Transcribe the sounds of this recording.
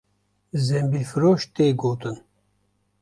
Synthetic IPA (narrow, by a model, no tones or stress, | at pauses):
zembilfɨɾoːʃt̪eːɡoːt̪ɨn